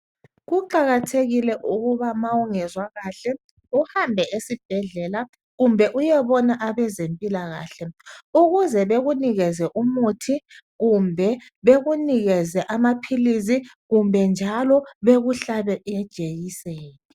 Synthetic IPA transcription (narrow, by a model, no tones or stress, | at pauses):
ɣuǃaɣatʰeɣilɛʔuɣuβamawuŋɛzwaɣaːɬɛ | uhambʱɛʔesib̥ʱɛɮɛla | ɣumbʱɛʔujɛβɔnaʔaβɛzempʼilaɣa̰ːɬɛuɣuzɛβeɣuniɣɛzɛʔumutʰi | ɣumbʱɛβeɣuniɣɛzɛʔamapʰilizi | ɣumbʱɛnd͡ʒʱalɔβeɣuɬaβɛʔjɛd̥ʒ̥ʱejisɛːnɛ